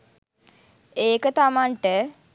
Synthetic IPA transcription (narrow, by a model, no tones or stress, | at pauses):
eːkət̪amaɳʈə